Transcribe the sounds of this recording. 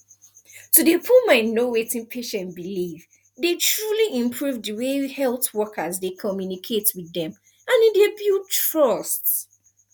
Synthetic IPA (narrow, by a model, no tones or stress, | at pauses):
tudepʰumaɪnowetĩnpʰeʃɛ̃nbiliv | detɹuliʔĩmpʰɹuvdəwehɛlˠθwɔkʰəzdekʰɔmjunikʰetwiðɛ̃m | ãnidebiltɹɔst